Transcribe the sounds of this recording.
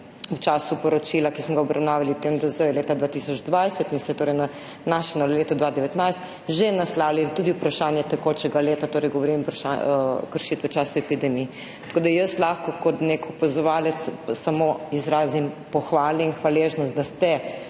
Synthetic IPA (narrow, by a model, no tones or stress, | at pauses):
ut͡ʃaːsupɔɾɔt͡ʃilakismɔɡaɔbɾʔawnaːʋaliut̪emd̪ɐzəjɛleːt̪ad̪ʋat̪isɔd͡ʒd̪ʋajsɛt̪insɛt̪oːɾɛjna | naːʃɛnɔleːt̪ɔd̪ʋad̪ɛʋɛt̪najst̪ | ʒenaslaːwlit̪uːd̪iupɾaʃaːnjɛt̪ɛkoːt͡ʃɛɡaleːt̪at̪oːɾɛjɡɔʋɔɾimupɾaʃa̰kəɾʃit̪ʋɛt͡ʃaːsuɛpid̪ɛmi | t̪ɐ̥koːd̪ajəslaːxkɔkɔt̪nekɔpazɔʋaːlɛt̪ssamoizɾaːzimpɔxʋaːlɛinxʋaleʒnɔst̪d̪ast̪ɛ